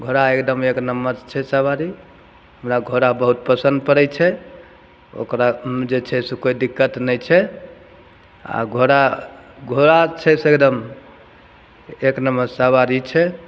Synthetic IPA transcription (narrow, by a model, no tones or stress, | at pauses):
ɡʱoɾaekd̪əmeknəmːəd͡ʒt͡ʃʰɛsəbaɾi | ɦəmɾaɡʱoɾabəɦut̪̚pəsə̃nd̪̚pəɾɛt͡ʃʰɛ | o̰kɾad͡ʒet͡ʃʰɛsekoid̪ikːət̪nɛjt͡ʃʰɛ | a̰ɡʱoɾaɡʱoɾat͡ʃʰɛsekd̪əm | eknəməd͡ʒsabaɾit͡ʃʰɛ